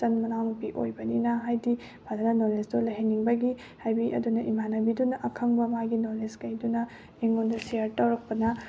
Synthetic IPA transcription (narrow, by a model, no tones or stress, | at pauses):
ɐnmɐnawnupiʔo̰jbɐninɐɦajdi | bʰʱadɐnɐnolesdolɐɦeniŋbɐɡi | hajbiʔɐ̰dunɐʔimanɐbidunɐʔɐkʰɐŋbɐmaɡinoleskɐjdunɐ | iŋondɐsijɐɾtɐwɾɐk̚pɐnɐ